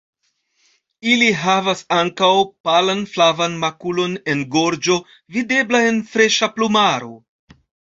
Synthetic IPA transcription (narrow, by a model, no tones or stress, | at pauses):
iliɦavasaŋkawpalanflavanmakulo̞ne̞nɡo̞ɾd͡ʒo̞ | vide̞blae̞nfɾe̞ʃaplumaɾo̞